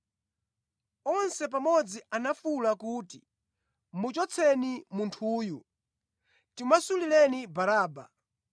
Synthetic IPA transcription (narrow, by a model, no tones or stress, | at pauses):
ɔnsɛp̬amɔd͡zianafulakuːti | mut͡ʃɔt͡sʰɛnimuntʰuːju | timasulilɛnibaɾaːba̰